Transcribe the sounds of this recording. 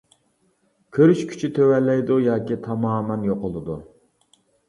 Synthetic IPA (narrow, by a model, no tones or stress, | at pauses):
kʲʰøɾyʃkʲʰy̥t͡ʃʰit̪ʰøwɛlɛjd̪ujɑːkʲit̪ʰɑmɑːmɛnjoqʊlˠɨd̪u